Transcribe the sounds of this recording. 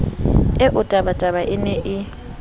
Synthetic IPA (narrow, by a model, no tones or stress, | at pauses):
ɛʔʊtʼabatʼaβaʔɪnɛʔɪ